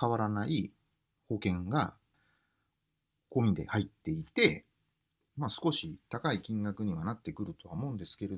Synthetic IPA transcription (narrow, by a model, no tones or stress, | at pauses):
kaβaɾanai | ho̞kẽ̞ŋɡa̰ | ko̞ːmʲid̪e̞̰hait̪ːe̞it̪e̞ | masɨ̥ko̞ɕit̪akaikʲĩŋɡakɯ̟ɲ̟iβanat̪ːe̞kɯ̟ɾɯ̟t̪o̞βamo̞ɯ̟̃nd̪e̞sɨ̥ke̞ɾe